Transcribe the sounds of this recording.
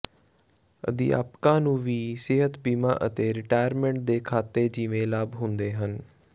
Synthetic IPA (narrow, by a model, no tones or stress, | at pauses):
ə̰d̪ḭːa̰ːpkãːnũːʋiːsɪɦət̪biːmã̰ːʔət̪eːɾɪʈaːjəɾmẽːɳʈ̚d̪eːkʰaːt̪ːeːd͡ʒiːʋẽːlaːbɦʊnd̪eːɦən